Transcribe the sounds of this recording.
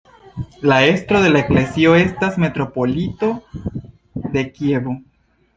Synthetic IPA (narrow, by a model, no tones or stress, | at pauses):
lae̞stɾo̞ðe̞laekle̞sio̞e̞stasme̞tɾo̞po̞lito̞ | d̪e̞kje̞βo̞